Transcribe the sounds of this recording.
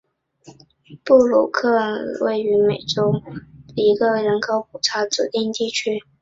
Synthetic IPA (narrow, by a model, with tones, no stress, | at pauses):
pu˥˩lṵ˨˩kʰɤ˥˧we˥˩ɪy˧˥me˨˩ɪʈ͡ʂʊ˥ʊə˧i˧˥ɡə˧ɻə˧˥nkʰo˧˥ʊpu˨˩ʈ͡ʂʰa˧˥t͡su˨˩t̪i˥˧ŋt̪i˥˩t͡ɕʰy˥